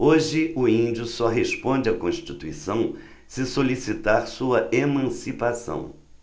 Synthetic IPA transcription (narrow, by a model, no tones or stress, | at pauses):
oʒɪʊĩd͡ʒʊsɔɦespõd͡ʒɪakõʃt͡ʃit̪uisɐ̃w̃ | sɪsolisit̪aɾsuɐʔemɐ̃sipasɐ̰̃w̃